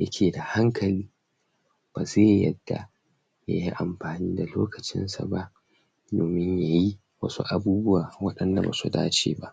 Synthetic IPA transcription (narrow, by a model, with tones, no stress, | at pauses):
jɐ̰˦kʲʰeː˨da˨ha˦ŋkʰɐ˨liː˦ | b̥aː˨zeː˦˨jɐ̰˦d̥ːa̰˨ | ja˦ji˦ʔa˨mɸaː˨niː˦da˨loː˦kɐ˨t͡ʃɪ̰˦nsa̰˨ba˦ʔ | doː˨mɪ˦ɲja˨ji˦ | wɐ̰˦sṵ˦ʔa˦buː˦bʊ˦wa˨wɐ˦ɗɐ˦nda˨ba̰ː˨sṵ˨da̰ː˦t͡ʃḛː˨ba˦ʔ